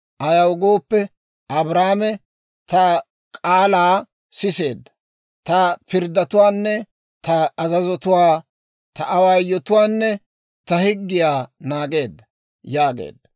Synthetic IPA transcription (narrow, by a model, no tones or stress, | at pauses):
ʔɐjɐwʊɡo̞ːpːɛ | ʔɐbɾaːmɛ | t̪ɐ | kʼaːlaː | sɪse̞̰ːd̪ːɐ̥ | t̪ɐpɪɾd̪ːɐt̪ʊwaːnːɛ | t̪ɐɐzɐzɔt̪ʊwaː | t̪ɐʔɐwaːjɔt̪ʊwaːnːɛ | t̪ɐhɪɡːɪjaːnaːɡe̞ːd̪ːɐ̥ | jaːɡḛːd̪ːɐ